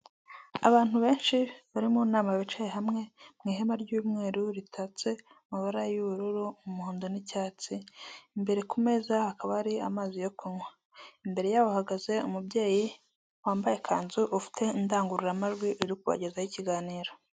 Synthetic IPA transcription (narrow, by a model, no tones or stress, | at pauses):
a̰βaːn̥huβe̞ːnʃiβaɾimunaːmaβit͡ʃajeɦamŋe̞mŋiːɦemaɾɟuːmŋe̞ːɾuɾitʰat͡se̞ | umaβaɾajuβuɾuɾuumuhuːndonicaːt͡siːmbe̞ɾe̞kume̞zahakaβaaɾiamaːzijokuɲwa | imbe̞ɾe̞jaːβohaɡaze̞umubɟe̞ːji | waːmbaje̞kʰaːnzuʔufi̥tʰe̞indaːŋɡuɾuɾamaʒɡwiuɾikuβa̰ɟe̞zajiciɡaːniːɾo̞